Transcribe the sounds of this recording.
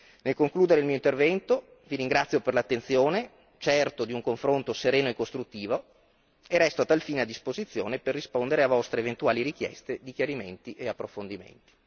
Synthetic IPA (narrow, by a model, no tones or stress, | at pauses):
nelkoŋkluːd̪eɾeilmiːoint̪ervɛnt̪o | viɾiŋɡɾat̪sjoperlat̪ːent̪sjoːne | t͡ʃɛrt̪od̪iuŋkoɱfɾont̪oseɾeːnoekːost̪ɾut̪ːiːvo | erɛst̪oat̪ːalfiːnead̪ːispozit̪sːjo̰ːneperːispond̪eɾeavɔst̪ɾeːvent̪uaːliɾik̟jɛ̰st̪ed̪ikjaɾiment̪iʔeapːɾofond̪imḛnt̪i̥